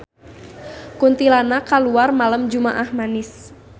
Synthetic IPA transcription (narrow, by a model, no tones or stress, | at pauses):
kunt̪ilanakaluarmaləmd͡ʒumaʔahmanɪs